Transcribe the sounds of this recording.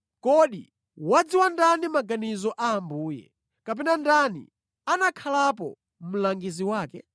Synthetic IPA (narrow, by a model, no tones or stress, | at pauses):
kɔɗḭ | wad͡ziwandanimaɡanizɔʔaːmbuːjɛ̰ | kap̬ɛnandanḭ | anakʰalapɔ̰ | m̩laŋɡiziwaːkɛ